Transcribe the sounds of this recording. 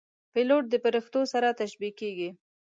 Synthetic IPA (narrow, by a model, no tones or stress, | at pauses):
pɪloʈ̚d̪əpaɾixt̪osaɾat̪aʃbikeɡi